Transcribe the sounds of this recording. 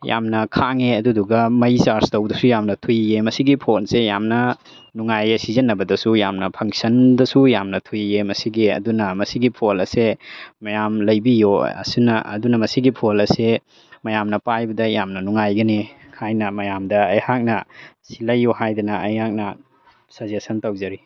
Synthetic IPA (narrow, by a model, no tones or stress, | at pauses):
ja̰mnɐkʰaŋeɐduduɡɐmɐjsaɾstɐwdɐsujamnɐtʰujemɐsiɡipʰonsejamnɐ | nuŋajɐsizɐnːɐbɐdɐsujamnɐpʰɐŋsɐndɐsujamnɐtʰujemɐsiɡeɐ̰dunɐmɐsiɡipʰolɐsemɐjamlɐjbijoɐ̰sinɐʔɐ̰dunɐmɐsiɡipʰolɐse | mɐjamnɐpajbɐdɐjamnɐnuŋajɡɐni | hʰajnɐmɐjamdɐːjhak̚nɐ | silɐjːohajdɐnɐɐjhak̚nɐ | sɐzesɐntɐwzɐɾi